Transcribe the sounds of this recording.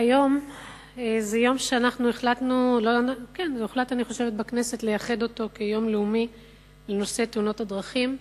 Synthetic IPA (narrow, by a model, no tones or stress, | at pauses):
ajo̞m | ezejo̞mʃe̞anaχnueχlatnulonkenzeuχlataniχo̞ʃe̞vet̚bakne̞se̞tlejaχe̞do̞to̞kejo̞mleumi | le̞no̞se̞teuno̞tadʁaχim